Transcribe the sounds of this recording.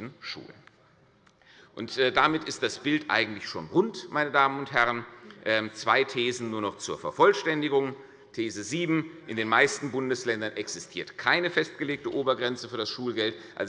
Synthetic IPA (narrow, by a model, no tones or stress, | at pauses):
n̩ʃṵːln | ʔʊntːdamɪtɪstd̥asb̥ɪltʔa̰ɪɡŋ̩tlɪçʃoːnʁʊntmʔaɪnədaːmənʊnthɛʁənʔɛmt͡sv̥aɪtʰeːzn̩nuːɐnɔχt͡suːɐfɛɐfɔlʃtɛndɪɡʊŋ | tʰeːzəziːbm̩ʔɪndeːnmaɪstn̩bʊndəslɛndɐnʔɛksɪstʰiːɐtkʰaɪnəfɛst̚ɡ̥əleːk̚təʔoːbɐɡʁɛnt͡səfyːɐɾasʃuːlɡɛlt | ʔa̰lz